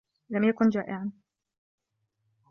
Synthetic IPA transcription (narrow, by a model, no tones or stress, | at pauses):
lamjakʊnd͡ʒaːʔɪʕan